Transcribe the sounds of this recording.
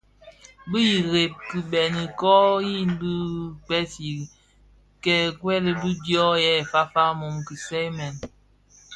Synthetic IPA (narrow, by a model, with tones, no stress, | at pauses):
bi˦ji˨ɣe˨p̚ki˨bɛ˨ni˨kɔ˦ji˦n˦bi˦k͡pɛ˦si˨ | kɛ˦˨kwɛ˦li˨bi˦djɔ˦jɛ˦˨fa˦fa˦mo˨mki˨sɛ˦mɛ˨n